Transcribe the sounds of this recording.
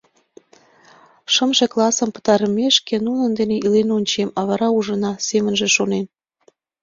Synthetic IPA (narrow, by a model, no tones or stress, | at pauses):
ʃəmʒĕklˠɑsə̆mpə̥t̪ɑɾəmʲeʃkenunənd̪eneʔilenonʲt͡ɕemɑβɑɾɑuʒənɑsemə̆nʒĕʃonen